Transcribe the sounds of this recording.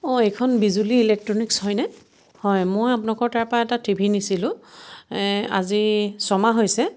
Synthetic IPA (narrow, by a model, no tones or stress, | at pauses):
ɔɛjkʰɔnbizuliːlɛk̚tɹɔnikshɔjnɛ | hɔjmojapʊnakɔɹtaɹpɹaɛtatʰibʱinisilʊ̃ | a̰zisɔmaɦojsɛ